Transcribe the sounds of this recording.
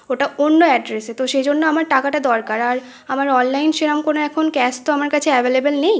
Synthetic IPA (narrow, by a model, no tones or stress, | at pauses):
oʈaonːoɛɖɾeset̪oʃejd͡ʑonːoamaɾʈakaʈad̪ɔɾkaɾaɾ | amaɾɔnlajnʃeɾamkonoɛkʰonkɛst̪oamaɾkat͡ɕʰeɛbelebelnej